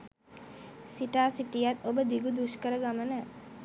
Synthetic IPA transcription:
siʈaːsiʈijat̪obəd̪iɡud̪uʃkəɾəɡamənə

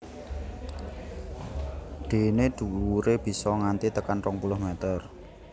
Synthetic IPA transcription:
ɖ̪̥e̤ned̪̥ṳuɾeb̥i̤sɔŋant̪it̪əkanrɔŋpulʊhmɛt̪ər

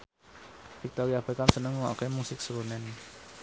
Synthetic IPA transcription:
fik̚t̪ɔɾijabekamsənəŋɔkemusɪksəɾunɛn

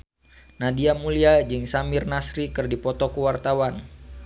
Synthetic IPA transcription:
nadiamuliad͡ʒɨŋsamɪrnasɾikɨrdipɔt̪ɔkuwart̪awan

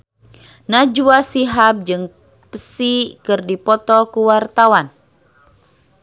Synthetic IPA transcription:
nad͡ʒuasiɦap̚d͡ʒɨŋ | pəsikɨrdipɔt̪ɔkuwart̪awan

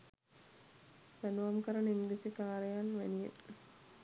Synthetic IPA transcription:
t̪anuʋamkəɾənimd̪esikaːɾejanʋḛnijḛ

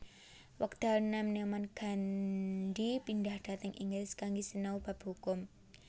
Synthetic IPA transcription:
wəkt̪alnamnemanɡ̥andipindahd̥a̤t̪əŋʔḭŋɡɾɪskaŋɡisənaub̥a̤bhukʊm

